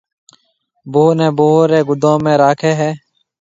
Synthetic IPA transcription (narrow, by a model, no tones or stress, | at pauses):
boːnẽːboːɾeːɡʊd̪ʱõːmẽːɾaːkʰeːɦɛː